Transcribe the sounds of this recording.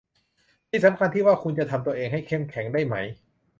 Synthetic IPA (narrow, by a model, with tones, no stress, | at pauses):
t̪ʰiː˥˩sa˩˦mkʰa˧nt̪ʰiː˥˩waː˥˩kʰu˧nt͡ɕa˨ʔt̪ʰa˧mt̪u˧ɐʔeː˧ŋɦa˥˩jkʰe˥˩mkʰɛ˩˦ŋdaː˥˩jma˦˥j